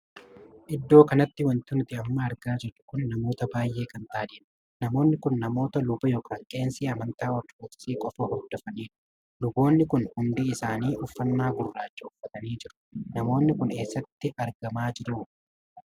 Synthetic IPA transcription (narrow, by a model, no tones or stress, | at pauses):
ʔɪd̪ːo̞ːkɐnɐt̪ːɪwɐnt̪ʊnʊt̪ɪɐmːɐɐɾɡaːd͡ʒɛt͡ʃːʊ̥kʊnːɐmo̞ːt̪ɐbaːjʔːe̞ːkɐnt̪aːd̪eːᶑɐ | nɐmo̞ːnːɪkʊnːɐmo̞ːt̪ɐlʊbɐjoːkʰaːŋkʼe̞ːnsiːɐmɐnt̪aːwɐruːt̪ɪ̥siːkʼɔfɐhɔɾd̪ɔfɐniːᶑʊ̥ | lʊbo̞ːnːɪkʊnhʊnd̪iɪsaːniːʔʊfːɐnːaːɡʊrːaːt͡ʃːɐʊfːɐt̪ɐniːd͡ʒɪɾʊ̥nɐmo̞ːnːɪkʊne̞ːsːɐt̪ːɪʔɐɾɡɐmaːd͡ʒɪɾuː